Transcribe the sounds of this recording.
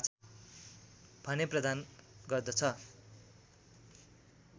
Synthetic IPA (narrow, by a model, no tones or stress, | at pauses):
t͡s | b̥ʱʌneprʌd̪anɡʌrd̪ʌt͡sʰʌ